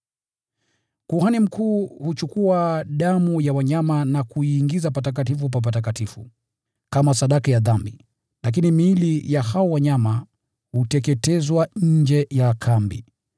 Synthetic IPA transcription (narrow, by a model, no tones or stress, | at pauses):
kuhanim̩kʰuːhut͡ʃukuaɗamujawaɲamanakuiːŋɡizapatak̬atifup̬ap̬atak̬atifṵ | kamasaɗakajaðambi | lak̬inimilijahawɔwaɲama | hutɛkɛtɛzwaɲ̩d͡ʒɛjakʰambḭ